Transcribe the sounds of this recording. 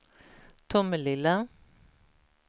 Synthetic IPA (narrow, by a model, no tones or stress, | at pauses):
t̪ʰʊməlɪlːa